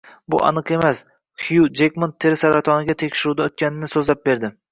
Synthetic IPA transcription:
bʊʔɑ̰nɨqe̞mas | χjud͡ʒekʲmont̪ʰːeɾɪsaɾat̪ʰɒnɪɡʲat̪ʰekʲʃɪɾud̪aot̪̚kʲanɪnɪsɵzlap̚be̞ɾd̪ɪ

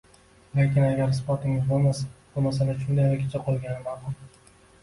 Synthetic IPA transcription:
lekʲɪnaɡʲaɾsɪpɒt̪ɪŋʲɪzbolmasḁb̥ʊmasalaʃʊnd̪ajaɾkʲʰet͡ʃʰaqʰolˠɡʲanɪmad̪ʊm

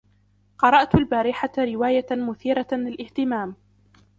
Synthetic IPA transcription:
qɑɾˤɑʔt̪albaːɾɪħaɾɪwaːjamʊθiːɾalɪlʔɪht̪ɪmaːm

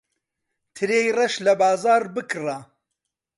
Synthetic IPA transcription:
t̪ʰɨɾeːjrɐʃlɐbɑːzɑːɾbɨkʰra

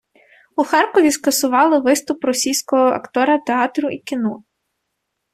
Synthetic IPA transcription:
uxɑrkɔʋʲiskɐsʊʋɑlˠɪʋɪst̪ʊpɾɔsʲijsʲkɔɦɔɐ̰kt̪ɔɾɐt̪eɑt̪ɾʊʔikʲinɔ

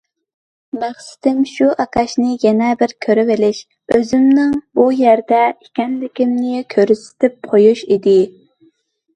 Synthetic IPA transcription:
mæχsɪ̥t̪ɪmʃuʔɑkʰɑʃnɪjɛnɛbɪɾkʲʰøɾɪvɪlɪʃ | øzɪmnɪŋbujæɾd̪ɛikʲɛnlɪkʲimnɪkʲʰøɾysɪ̥t̪ʰɪp̚qʰojuʃid̪ɪ

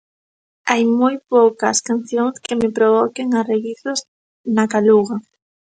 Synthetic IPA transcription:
ajmojpowkɐskanθjoŋskemɪpɾoβɔkeŋareɣiθoz | nakaluɣɐ

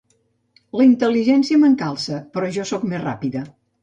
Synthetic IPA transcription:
ləint̪əliʒɛnsiəməŋkalˠsəpɾɔʒɔsɔkmezra̰piðə

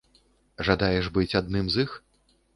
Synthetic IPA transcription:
ʐad̪ajɛʐbɨt͡sʲad̪̚nɨmzix

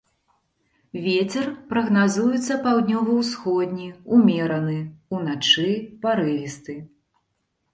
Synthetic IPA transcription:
vʲet͡sʲɛrpɾɐɣnazujut̪sːɐpawd̪ʲnʲɔvɐwsxɔd̪ʲnʲiumʲɛɾɐnɨunat͡ʂɨpaɾɛvʲist̪ɨ

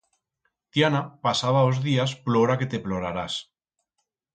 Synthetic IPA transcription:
t̪janapasaβaozðiasplo̞ɾake̞t̪e̞plo̞ɾaɾas

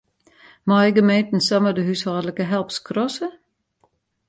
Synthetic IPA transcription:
mɑɪɡəmeːt̪n̩sɔmədəɦyshɑːləkəɦɛlˠpskʰrɔsə

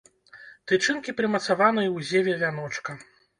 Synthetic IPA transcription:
t̪ɨt͡ʂɨnkʲipɾɨmɐt̪savanɨjɐwzʲevʲɛvʲanɔt͡ʂkɐ

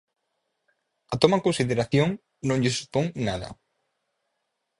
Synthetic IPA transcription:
at̪omakonsiðeɾaθjõŋ | nõŋʎɪsu̥poŋnaðɐ̰

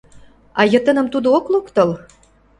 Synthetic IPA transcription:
ɑjɤ̆t̪ə̆nə̆mt̪ud̪ooklokt̪ɤ̆l

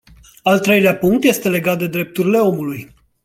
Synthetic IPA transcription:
alt̪ɾe̞jleapuŋk̚t̪je̞st̪e̞le̞ɡat̪̚d̪e̞d̪ɾe̞p̚t̪uɾile̞o̞muluj

